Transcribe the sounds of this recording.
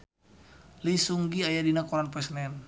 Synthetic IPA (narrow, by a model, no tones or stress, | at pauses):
lisuŋɡiajadinakɔɾanpɔɛsnɛn